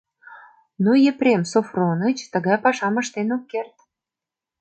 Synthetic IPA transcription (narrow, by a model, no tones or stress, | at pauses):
nujepɾʲemsofronət͡ɕt̪ə̆ɣɑjpɑʃɑmə̆ʃt̪enokːert̪